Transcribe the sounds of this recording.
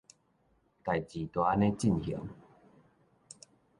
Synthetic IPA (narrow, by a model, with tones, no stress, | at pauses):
ta˨˩jt͡ɕi˨t̪wa˦ne˦t͡ɕi˥˨nhḭ˨ə˦ŋ